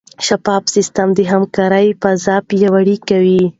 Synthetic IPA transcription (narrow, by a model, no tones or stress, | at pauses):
ʃapɑbsɪst̪amd̪əɦamkɑɾəjpazapjawaɽikawi